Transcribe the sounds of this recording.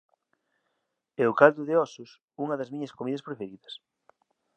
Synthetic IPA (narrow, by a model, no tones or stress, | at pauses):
ɛʊkald̪ʊðeɔsʊs | uŋɐðɐzmiɲɐskomiðɐspɾefeɾiðɐs